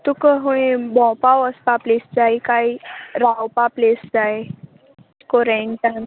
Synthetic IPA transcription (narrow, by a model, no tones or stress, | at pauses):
t̪ukəɦuĩbɔ̃paʋəspaplesd͡zajkaiɾawpaplesd͡zaj | kɔɾenʈam